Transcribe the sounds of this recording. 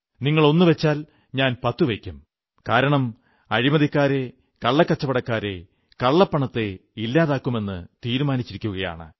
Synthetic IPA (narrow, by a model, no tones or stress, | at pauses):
niŋːɐɭo̞nːuʋet͡ɕːaːl | ɲaːnpɐt̪ːuʋekʲːum | kaːɾɐɳɐm | ɐɻimɐðikːaːɾe̞ | kɐɭːɐkːɐt͡ɕːɐpɐɽɐkːaːɾe̞̰ | kɐɭːɐpːɐɳɐt̪ːe̞ilːaːðaːkːume̞nːɨ̰t̪iːɾumaːnit͡ɕːiɾikʲːuɣɐja̰ːɳɨ̰